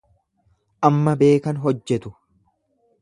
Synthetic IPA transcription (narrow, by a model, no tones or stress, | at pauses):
ʔɐmːɐbe̞ːkɐnɦɔd͡ʒːɛt̪ʊ